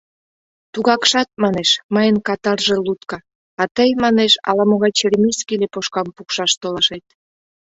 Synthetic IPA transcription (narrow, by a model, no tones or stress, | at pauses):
t̪uɣɑkʃɑt̪̚mɑneʃməjənkɑt̪ɑrʒelut̪kɑ | ɑt̪əjmɑneʃɑ̰lɑmoɣɑjt͡ɕeɾʲmiskilepoʃkɑmpukʃɑʃt̪olɑʃet̪̚